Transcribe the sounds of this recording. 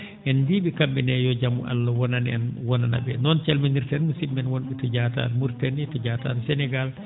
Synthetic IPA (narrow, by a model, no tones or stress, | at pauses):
ʔɛndiɓikambinɛjɔd͡ʒamuʔa̰lːawɔnanɛnwɔnana̰bɛnɔnt͡ʃɛlminiɾtɛnmusimːɛnwɔnɓɛtɔɟata̰ɾmuɾtɛnitɔɟata̰ːɾsɛnɛɡal